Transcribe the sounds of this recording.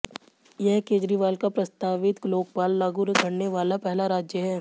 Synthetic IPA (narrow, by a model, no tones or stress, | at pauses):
jɛɦkeːd͡ʒɾiʋaːlkapɾɐst̪aːʋɪt̪ɡloːkpaːlːaːɡuɾɡʱɐɽneʋaːlapɛɦlaɾaːd͡ʒjəɦɛː